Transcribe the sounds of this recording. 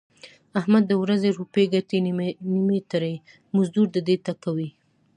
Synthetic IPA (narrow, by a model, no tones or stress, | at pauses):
ahmad̪ːəwɾazeɾupeɡatinimet̪aɾa | mʊzd̪uɾd̪əd̪et̪akawi